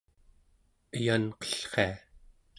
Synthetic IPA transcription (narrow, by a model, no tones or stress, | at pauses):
əjanqʌ̥ɬχḛa